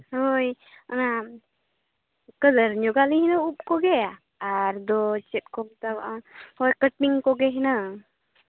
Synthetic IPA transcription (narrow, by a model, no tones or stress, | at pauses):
ɦoj | əna | kələɾɲɔɡalihinəup̚kɔɡɛjaː | ɾd̪ɔt͡ʃɛt̪̚kɔmt̪ahɔjkəʈ̚miŋkɔɡɛɦinə